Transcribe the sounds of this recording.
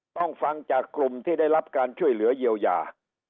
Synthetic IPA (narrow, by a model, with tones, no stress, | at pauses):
t̪ɔ˧˩ŋfa˧ŋt͡ɕaː˨˩kːlu˨˩mt̪ʰiː˧˩ɗaː˥˩jla˦˥p̚kaː˧nt͡ɕu˥˩əjlɯ˨˦əji˧˩əwja̰ː˨˩